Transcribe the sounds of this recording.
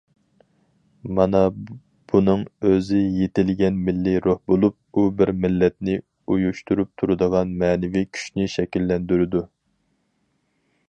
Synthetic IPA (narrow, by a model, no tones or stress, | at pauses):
mɑnɑ | b̥unɨŋøzɪjet̪ɪlɡʲɛnmɪlːɪɾohbolˠup̚ubɪɾmɪlːɛt̪nɪ | ujuʃt̪uɾup̚t̪ʰuɾɨd̪əʁɑnmɛːnɪvikʲʰy̥ʃnɪʃɛkʲilːɛnd̪yɾɪd̪u